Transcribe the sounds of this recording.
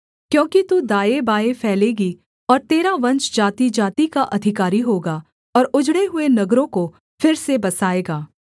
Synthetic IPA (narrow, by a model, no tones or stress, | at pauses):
kjõːkit̪ud̪aːebaːefʰɛːleːɡi | ɔːɾt̪eːɾaʋɐ̃nt͡ʃd͡ʒaːt̪id͡ʒaːt̪ikaʔɐd̪ʱɪkaːɾiɦoːɡaː | ɔːɾʊd͡ʒɽeɦʊenɐɡɾõko | fɪɾsebɐsaːeːɡaː